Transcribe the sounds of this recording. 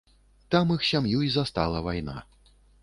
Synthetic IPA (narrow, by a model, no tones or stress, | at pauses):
t̪amɨxsʲamjuizast̪a̰lˠɐvajna̰